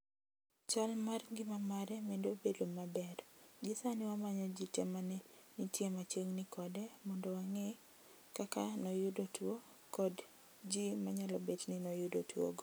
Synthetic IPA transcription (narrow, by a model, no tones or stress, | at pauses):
t͡ʃalmarŋɡɪmamaɾɛmɛndobedomabɛrd͡ʒɪsanɪwamaɲɔd͡ʒitɛ̰manɛnitjemat͡ʃeŋnɪkɔdɛmɔndɔwaŋe | kakanɔjʊdotwo | kɔd | d͡ʒimaɲalɔbet͡ʃnɪnɔjʊdotwo̰ɡ